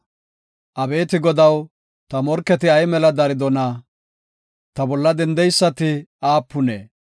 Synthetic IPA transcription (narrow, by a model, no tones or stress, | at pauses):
ʔɐbe̞ːt̪ɪɡɔd̪ɐw | t̪ɐmɔɾkːɛt̪ɪɐjmɛlɐd̪ɐɾɪd̪ɔnɐ | t̪ɐbɔlːɐd̪ɛnd̪ɛjsːɐt̪ɪaːpːʊne